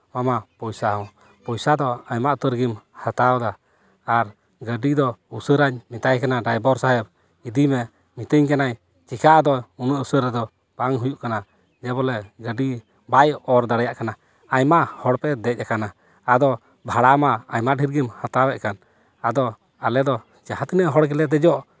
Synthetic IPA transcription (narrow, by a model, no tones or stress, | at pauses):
mamapɔjsaɦɔ̃ | pɔjsad̪ɔajmaʔut̪əɾɡimhat̪awd̪aː | ɾ | ɡəɖid̪ɔusəɾaɲmit̪ajkanaɖajbɔɾsaɦɛb̚ | id̪imɛ | mit̪əɲkanaɲ | t͡ʃikaʔd̪ɔunəʔusəɾɛd̪ɔ | b̥aŋɦujuʔkana | d͡ʒɛbɔlɛɡəɖi | bajɔɾd̪aɽɛjaʔkana | ajmaʔhɔɽpɛd̪ɛc̚akana | ad̪ɔ | bʱaɽamaajmaʔɖʱiɾɡimhat̪awɛʔkan | ad̪ɔ | alɛd̪ɔ | d͡ʒahat̪inəʔɦɔɽkɛlɛd̪ɛd͡ʒɔʔ